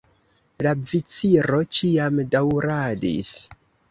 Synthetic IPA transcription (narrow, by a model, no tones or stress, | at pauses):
lavit͡siɾo̞t͡ʃiamdawɾadḭs